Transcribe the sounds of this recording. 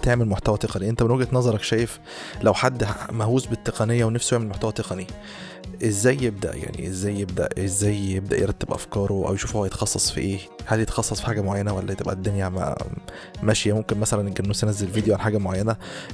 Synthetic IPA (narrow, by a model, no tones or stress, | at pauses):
t̪eʕmelmoħt̪æwæt̪eqɑniʔent̪æbenwæɡæt̪nɑzˤɑɾˤɑkʃæːjef | læwħad̪ːmæhuːsbet̪ːeqɑnejːæwenæfsjeʕmelmoħt̪æwæt̪eqɑni | ʔezːæːjːeb̚d̪æ̰ʔja̰ʕnḭʔezːæːjːeb̚d̪æ̰ʔezːæːjjeb̚d̪æ̰ʔjḛɾˤɑt̪ːebʔæ̰fkɑːɾˤoʔæ̰wjeʃuːfhohæjet̪ɑ̥xɑsˤːɑsˤfḭʔeː | hæljet̪xɑsˤːɑsˤfi̥ħaːɡæmoʕajːænæwælːæt̪ebʔæ̰d̪ːemjæmæ̰ | mæʃjæmomkenmæsælænʔeɡæbnuːsjenæzːelvid̪ejoʕanħaːɡæmoʕajːænæ